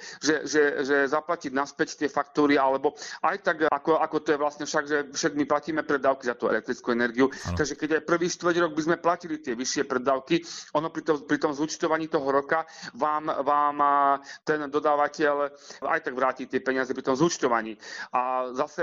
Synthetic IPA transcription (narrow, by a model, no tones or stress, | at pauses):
ʒɛʒɛʒɛzaplaciɟnaspɛct̪ɪɛfakt̪uːɾialɛbɔʔajt̪aɡakɔakɔt̪ɔjɛʋlast̪ɲɛfʃaɡʒɛfʃɛɡmiplaciːmɛpɾɛd̪aːʊkizat̪uːɛ̰lɛk̚t̪ɾit͡skuɛnɛɾɡiut̪aɡʒɛkɛɟajpr̩ʋiːʃt̪ʋr̩ɟɾɔɡ̚bizmɛplacilit̪ɪɛʋiʃɪɛpɾɛd̪aːʊkiʔɔnɔpɾit̪ɔpɾit̪ɔmzut͡ʃt̪ɔʋaɲiːt̪ɔɦɔɾɔkaʋaːmʋaːmt̪ɛnd̪ɔd̪aːʋacɛʎa̰jt̪aɡʋɾaːciːt̪ɪɛpɛɲɪazɛpɾit̪ɔmzut͡ʃt̪ɔʋaɲiːʔazasɛ